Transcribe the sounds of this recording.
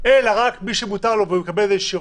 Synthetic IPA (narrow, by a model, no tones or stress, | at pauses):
elaʁakmiʃemutaʁlovemekabeleʃiʁ